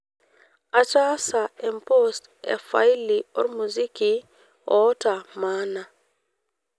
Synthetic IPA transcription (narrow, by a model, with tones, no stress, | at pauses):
a˨t͡ʃa˦sa˨ɛmpost | ɛ̰˨fa˦jliɔ̰˦ɾmuzi˦ki | ɔ˦ta˨ma˦na˨